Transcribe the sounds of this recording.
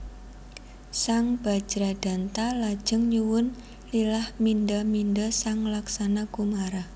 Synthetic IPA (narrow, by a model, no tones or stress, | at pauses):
saŋb̥a̤̥d͡ʒ̥ɾad̪̥a̤nt̪alad̥ʒ̥əŋɲuwʊn | lilahmindamindəsaŋlaksanakumaɾa